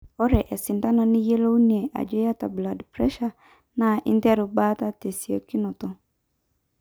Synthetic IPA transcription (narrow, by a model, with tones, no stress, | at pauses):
ɔ˦ɾɛ˨ʔɛ˨sɪ˨n̩˨ta˦nã˨nɪ̃˦je˦lo˦u˦nĩ˨ɛ˨ʔa̰˨d͡ʒɔ˦ja˦ta˨bla˨dpɾɛ˦ʃa˦ | nã˨ɪ̰˦n˦tɛ˦ɾʊ˨ba˦ta˦te˨si˨ɛ˨ki˦nɔ̃˨tɔ˦